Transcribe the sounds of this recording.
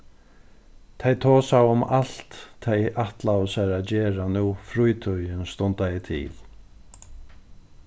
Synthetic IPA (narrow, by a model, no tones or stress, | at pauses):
t̪ʰejt̪ʰɔːsawʊmal̥t̪ʰːejaht̪lawʊsaɾaðd͡ʑɛːɾanuːfɾujt̪ʰœjɪnst̪ɔnt̪ajɪt̪ʰɪ̰ːl